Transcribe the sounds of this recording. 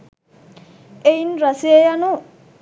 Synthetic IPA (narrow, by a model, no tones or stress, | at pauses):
ejnɾasiejanu